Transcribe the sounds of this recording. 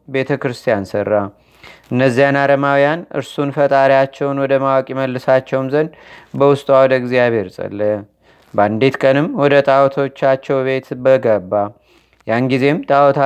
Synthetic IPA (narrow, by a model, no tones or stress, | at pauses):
be̞t̪ʰəkɾɨst̪ʰijansərːa | ʔɨnːəzːijanaɾəmawjanɨ̰ɾsunfət̪ʼaɾijat͡ʃːɛwnwɔd̪əmawakʼiməlːɨsat͡ʃːɛwmzənd̪bəwʊst̪ʼwawɔd̪əɡzjaβe̞ɾsʼə̰lːə | band̪et̪kʼənɨmwɔd̪ət̪ʼawɔt̪ʰot͡ʃːat͡ʃːɛwβe̞t̪bəɡəbːa | janɡize̞mt̪ʼawɔt̪ʰa